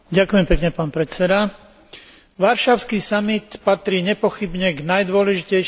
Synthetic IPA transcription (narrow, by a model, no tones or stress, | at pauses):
ɟakʊjɛmpɛkɲɛpaːnpɾɛt͡sɛd̪a | ʋaɾʃaʊskisamit̪pat̪ɾiːɲɛpɔxibɲɛɡnajd̪ʊɔlɛʒicɛ